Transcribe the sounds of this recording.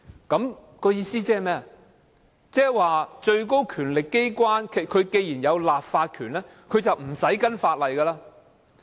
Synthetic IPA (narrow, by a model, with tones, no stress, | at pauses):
kɐ˨˥m | kɔː˧jiː˧siː˥t͡sɛː˥˨mɛː˥ɐ˨ | t͡sɛː˥waː˨t͡ʃɵ˧ɥko˥wkʰyː˨˩nlɪ˨kːe˥jkʷwaː˥nkʰe˨kʰɵ˨˧ɥke˧jjiː˨˩njɐ˨˧wlaː˨p̚faː˧t̚kʰyː˨˩nlɛː˥ | kʰɵ˨˧ɥt͡sɐ˨wm̩˨˩sɐ˨˥jkɐ˥nfaː˧t̚lɐ˨jkɐː˧laː˧˥